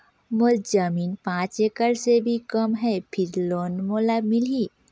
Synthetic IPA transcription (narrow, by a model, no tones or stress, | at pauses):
moɾd͡ʒəmiːnpãːt͡ʃekəɾsebʱikəmɦɛpʰɪɾloːnmolamɪli